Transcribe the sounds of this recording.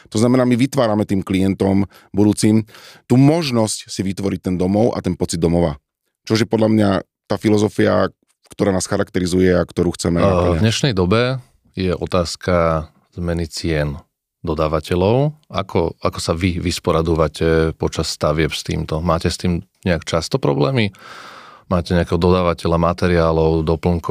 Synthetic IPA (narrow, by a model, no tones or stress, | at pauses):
t̪ɔznamɛnaːmiʋit̪ʋaːɾamɛt̪iːmklijɛnt̪ɔm | bud̪uːt͡simt̪uːmɔʒnɔscsiʋit̪ʋɔɾic̚t̪ɛnd̪ɔmɔʊʔa̰t̪ɛnpɔt͡sid̪ɔmɔʋa̰ | t͡ʃɔʒjɛpɔd̪ʎamɲa | t̪aːfilɔzɔfia̰ | kt̪ɔɾaːnaːsxaɾakt̪ɛɾizujɛakt̪ɔɾuːxt͡sɛmɛnaavɲɛʃnɛjd̪ɔbɛ | jɛʔɔt̪aːskʰa | zmɛnit͡sɪɛn | d̪ɔd̪aːʋacɛlɔʊakʰɔakɔsaʋiʋispɔɾad̪uʋacɛpɔt͡ʃasːt̪aʋɪɛpst̪ḭːmt̪ɔmaːcɛst̪iːmɲɛakt͡ʃast̪ɔpɾɔblɛːmi | maːcɛɲɛakɛːɦɔd̪ɔd̪aːʋacɛlamat̪ɛɾiaːlɔʊd̪ɔpl̩ŋk